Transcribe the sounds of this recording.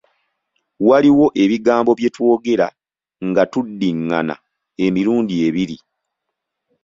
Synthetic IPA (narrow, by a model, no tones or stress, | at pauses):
waliwo̞ʔe̞βiɡaːmbo̞βje̞two̞ːɡe̞ɾa̰ | ŋɡatudːiŋːa̰na̰ | e̞miɾuːndie̞βiɾi